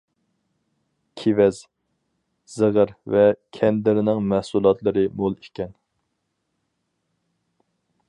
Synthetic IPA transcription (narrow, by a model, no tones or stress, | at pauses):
kʲʰivɛz̥ | z̥əʁəɾvɛkʲʰɛnd̪ɪɾɪnɪŋmæhsulˠɑt̪lˠɨɾɨmolˠikʲɛn